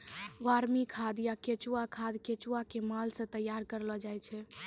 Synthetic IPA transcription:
waɾmikʰad̪jaket͡ʃuwakʰad̪ket͡ʃuakemalsə̃t̪əjaɾkəɾlɔd͡ʒajt͡ʃʰɛ

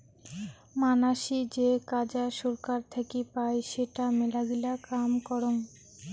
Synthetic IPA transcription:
manaʃid͡ʑekad͡ʑaʃoɾkaɾt̪ʰekipaeʃeʈamelaɡilakamkɔɾoŋ

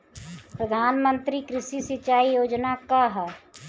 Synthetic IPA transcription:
pɾəd̪ʱaːnmə̃nt̪ɾikɾɪsisɪt͡ʃaːijoːd͡ʒnakaɦɛ

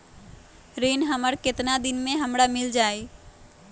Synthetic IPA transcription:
ɾinɦəməɾket̪nad̪inmeɦəmɾamild͡ʒaj

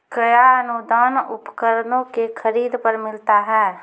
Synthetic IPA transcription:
kəjaənud̪aːnʊpkəɾnõkekʰəɾiːd̪pəɾmɪlt̪aɦɛː

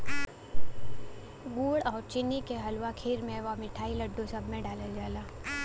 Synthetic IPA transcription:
ɡuːɽɔːɾt͡ʃɪnːikeɦɐlwakʰeːɾmẽʋamɪʈʰaːiləɖːosɐbʱmẽɖaːləld͡ʒaːlaː

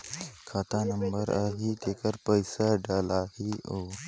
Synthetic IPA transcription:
kʰaːt̪aːnɐmbəɾaːɦiːt̪ekəɾpəjsaɖaːlaːhio

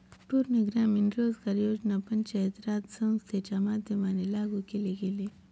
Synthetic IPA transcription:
ʈuːɾniɡɾaːminɾoːzkaɾjoːd͡ʒnapɐnt͡ʃɐet̪ɾaːd̪sɐmst̪ʰet͡ʃamaːd̪ʱjɐmaːnelaːɡukeleɡeleː

